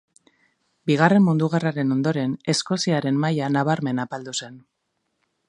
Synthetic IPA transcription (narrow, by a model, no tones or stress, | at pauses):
biɣ̞are̞mmund̪uɣ̞araɾe̞no̞nd̪o̞ɾe̞ne̞sko̞siaɾe̞mmajanaβ̞aɾme̞napald̪use̞n